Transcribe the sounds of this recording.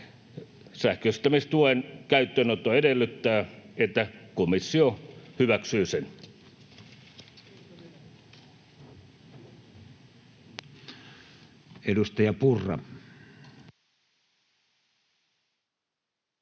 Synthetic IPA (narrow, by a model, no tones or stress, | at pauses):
sæhkøist̪ːæmist̪uoenkæyt̪ːøːnot̪ːˑoedelːyt̪ːæːet̪ːækomisːiohyʋæksyːsen | edust̪ɑjɑpurːˑɑ̰